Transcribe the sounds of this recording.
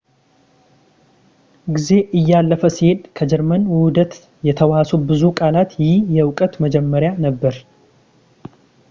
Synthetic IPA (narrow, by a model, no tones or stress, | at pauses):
ɡize̞ʔɨjːalːəfəsihe̞d̪kʰəd͡ʒɛɾmənwud̪ət̪ | jɛt̪ʰəwasubɨzukʼalat̪jɪjɛwkʼət̪məd͡ʒɛmːəɾjanəbːəɾ